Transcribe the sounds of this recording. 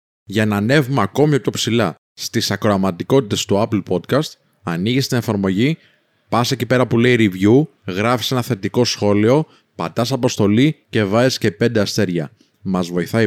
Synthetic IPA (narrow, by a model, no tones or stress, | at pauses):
ʝɐnɐne̞vumeɐko̞miopço̞psilɐ | st̪isɐkɾoɐmɐt̪iko̞t̪it̪e̞st̪uɐpl̩po̞t̪kɐst̪ | ɐniʝist̪ine̞fɐɾmo̞ʝi | pɐse̞cipe̞ɾɐpule̞iɾivʝuɣɾɐfi̥se̞nɐθe̞t̪iko̞sxo̞lio̞ | pɐt̪ɐsɐpo̞st̪o̞lice̞vɐesce̞pe̞nd̪e̞ɐst̪e̞ɾʝɐ̰ | mɐzvo̞iθɐi